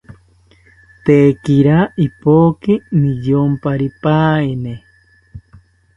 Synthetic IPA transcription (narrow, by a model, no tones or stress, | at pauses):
t̪eːkiɾaipoːkinijompaɾipaine